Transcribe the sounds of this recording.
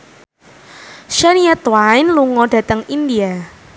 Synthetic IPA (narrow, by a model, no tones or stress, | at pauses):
ʃaniɛt̪wajnluŋɔɖä̤t̪əŋindia